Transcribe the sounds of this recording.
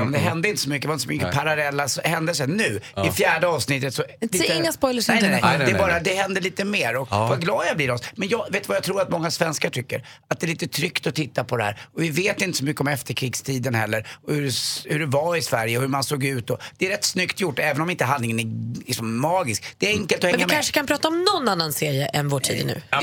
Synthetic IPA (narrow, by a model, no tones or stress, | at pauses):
mɛnd̪ɛɦɛnd̪əɪnt̪ə̥s̬ɔmʏkːdɛvaɪnəsɔmʏkːəpʰaɾalɛlːasɔhɛnd̪əs̬ɛnʉ̟ːɪfjæːɖəɑːvsnɪt̪ːət̪sɔliːt̪ɪŋːaspɔjləɛɛbɑːɾad̪ɛhɛnd̪əɭiːt̪əmeːɾɔkvaɡlɑːd̪jabliːɾɔsmɛnjɑːveːt̪vajat̪ʰɾuːɾat̪mɔŋːasvɛnskaʈʰʏkːə̰ɾ | at̪̚d̪ɛliːt̪ət̪ʰɾʏkt̪ɔt̪ʰɪt̪ːapʰɔd̪ɛhæ̰ːɾɔvɪveːt̪ɪnt̪əsɔmʏkːəɔmɛft̪əɾkʰɾiːɡst̪ʰiːd̪ənhɛlːəɾɔhʉɖɛhʉɖɛvaɪsvæɾjəɔhʉɾmansoːɡʉ̟ːt̪ɔdd̥̪ɛːɾɛt̪ːsnʏkt̪ʰjʊʈːɛːvənɔmɪnt̪əɦand̪lɪŋənælɪksɔmːɑːɡɪsk̚d̪̥ɛːɾɛŋkəlt̪ɔhɛːɪamkanʂə̥kʰanpʰɾɑːt̪aɔmnɔnːanːanseːɾjəʔɛnvoːʈʰḭːd̪nʉ̰ː